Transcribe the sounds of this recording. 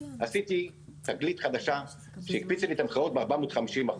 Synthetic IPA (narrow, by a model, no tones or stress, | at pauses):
asit̪i | t̪aɡlit̪χad̪aʃa | ʃeik̚pit͡slit̪amχaot̪̚beaʁbaamod̪χamiʃimaχ